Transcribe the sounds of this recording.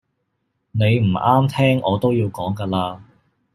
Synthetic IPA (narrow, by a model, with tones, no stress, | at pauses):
ne˨˧jm̩˨˩ʔaː˥mt̪ʰɛː˥ŋɔː˨˧t̪o˥wjiː˧wkɔː˨˥ŋkaː˧laː˧